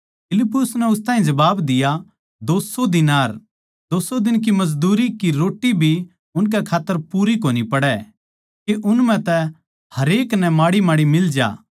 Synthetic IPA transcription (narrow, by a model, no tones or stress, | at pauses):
pʰɪlɪpːʊsnɛʊst̪aːĩd͡ʒɐbaːbd̪ɪja | d̪oːsod̪ɪnaːɾ | d̪oːsod̪ɪnk̬imɐzd̪uːɾikiɾoːʈːibʱi | ʊnk̬ɛkʰaːt̪ːəɾpuːɾikoːnipɐɽɛ | keʔʊnmɛ̃t̪ɛ | hɐɾeːknɛmaːɽimaːɽimɪld͡ʒa̰ː